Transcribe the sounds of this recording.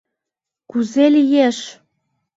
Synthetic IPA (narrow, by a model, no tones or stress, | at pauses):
kuzelijeʃ